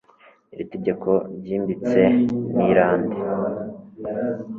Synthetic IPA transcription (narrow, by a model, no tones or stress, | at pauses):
iβite̞ɟe̞kʰo̞ɾɟiːmbit͡se̞niɾaːnde